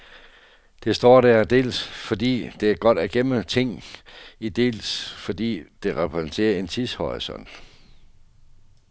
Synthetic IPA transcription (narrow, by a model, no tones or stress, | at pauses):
d̥e̝sd̥ɒ̰ːd̥æɐd̥e̝̰ːlsfɒ̽d̥ḭːd̥e̝æɐɡ̥ɒ̽d̥æɡ̥em̰ət͡sʰe̝ŋ̰id̥e̝̰ːlsfɒ̽d̥ḭːd̥e̝ʁɛpʰʁɛsnt͡sʰe̝̰ːɐe̝nt͡sʰishɒʁisɔ̽n̰d̥